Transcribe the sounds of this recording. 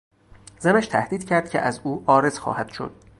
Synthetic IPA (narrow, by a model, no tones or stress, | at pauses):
zæmæʃt̪ʰæ̰hd̪iːd̪̥cʰæɾd̪̥̚cʲʰḛʔæzuːʔɒːɾe̞z̥xɒ̰ːhæd̪̥ʃo̰d̪̥̚